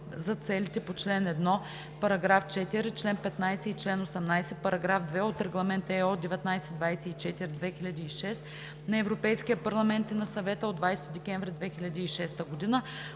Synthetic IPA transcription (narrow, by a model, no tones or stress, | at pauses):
zɐt̪sɛlit̪ɛpot͡ʃlɛnɛd̪nɔ | pɐɾɐɡɾaft͡ʃɛt̪iɾit͡ʃlɛnpɛt̪najsɛit͡ʃlɛnosɛmnajsɛpɐɾɐɡɾafd̪vɛot̪ɾɛɡlˠɐmɛnt̪ɛod̪ɛvɛt̪najsɛd̪vajsɛit͡ʃɛt̪iɾid̪vɛxilʲɐd̪iːʃɛst̪ | nɐɛvɾopɛjskijəpɐɾlˠɐmɛnt̪inɐsɐvɛt̪əod̪vajsɛt̪id̪ɛkʲɛɱvɾʲid̪vɛxilʲɐd̪iːʃɛst̪əɡod̪inə